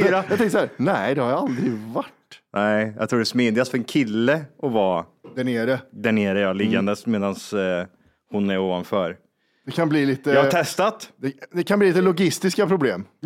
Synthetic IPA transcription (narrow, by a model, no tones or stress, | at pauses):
ɾajɑɡt̪ɛ̃ŋkəsɔhæːɾnɛd̪ɛhaɾjaald̪ɾɪvaʈːnʔɛɪjɑ̰t̪ʰɾuːɖɛsmeːd̪ɪɡast̪fœɾɛnkʰɪlːəʔɔvɑːd̪æɳeːɾəd̪æɳeːɾəɾjɑːlɪɡːand̪əsmeːd̪ans | hʊnæɾoːvanfœːɾ | d̪ɛkʰanbliːliːt̪əjɑhaɛst̪at̪d̪ɛd̪ɛkʰanbliːliːt̪əlʊɡɪst̪ɪskapʰɾʊbleːm